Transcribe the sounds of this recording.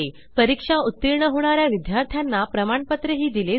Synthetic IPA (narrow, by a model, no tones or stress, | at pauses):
e | pəɾikʂaut̪ːiɾɳəɦoɽ̃aɾjaʋid̪jaɾt̪ʰjanːapɾəmaɳpət̪ɾəɦiːd̪ile